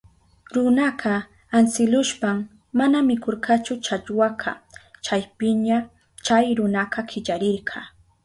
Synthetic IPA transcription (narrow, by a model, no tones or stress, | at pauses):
ɾʊnaqɑ | ansɪlʊʃpam | manamɪkoɾqat͡ʃʊt͡ʃaʎwaqʰɑ̰t͡ʃajpɪɲa | t͡ʃajɾʊnaqɑkʰɪʎaɾɪɾɢʰɑ